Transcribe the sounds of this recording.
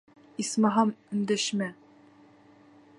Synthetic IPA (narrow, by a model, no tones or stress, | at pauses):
ismɑɦɑmɵ̆nd̪æʃmæ